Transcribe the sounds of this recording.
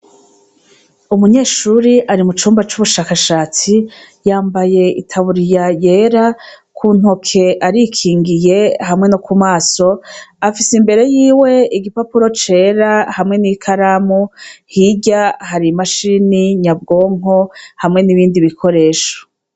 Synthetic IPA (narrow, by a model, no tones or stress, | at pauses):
umuɲe̞ːʃuːɾiʔaɾimut͡ʃuːmbat͡ʃuβuʃaːkaʃaːt͡si | jaːmbaje̞ḭtʰaβuɾijaje̞ːɾakʰun̥ho̞kʰe̞ʔaɾikʰiːŋɡije̞hamŋe̞nokʰumaːso̞afisimbe̞ɾe̞jiːwe̞iɡipapuɾo̞t͡ʃe̞ɾahamŋe̞nikʰaɾamuhiɟahaɾimaʃiniɲab̚ɡo̞ːŋohamŋe̞niβiːndiβikʰo̞ɾe̞ːʃo̥